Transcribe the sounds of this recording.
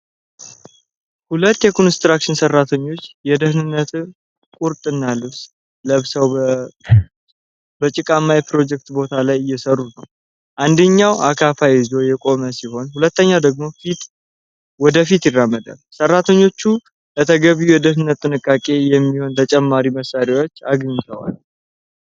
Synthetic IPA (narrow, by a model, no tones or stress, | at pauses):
hulət̪ːjɛkʰonst̪ɾakʃɪnsərːat̪ʰəɲːo̞t͡ʃːjɛd̪əhnɨnːət̪ | kʼuɾt̪ʼɨnːalɨβs | ləβsəw | bət͡ʃʼɪkʼamːajɛpɾo̞d͡ʒɛk̚t̪bo̞t̪ʰalajɪjɛsərːunəw | ʔand̪əɲːawʔa̰kʰafajizo̞jɛkʼo̞məsiho̞nhulət̪ːəɲːad̪əɡmo̞fit̪ | wɔd̪əfit̪jɪrːamːəd̪a̰lsərːat̪ʰəɲːo̞t͡ʃːu | lət̪ʰəɡəβijujɛd̪əhnɨnːət̪ːɨnɨkʼːakʼe̞jɛmːiho̞nt̪ʰət͡ʃʼɛmːaɾiməsːaɾewo̞t͡ʃːaɡɲt̪ʰəwa̰l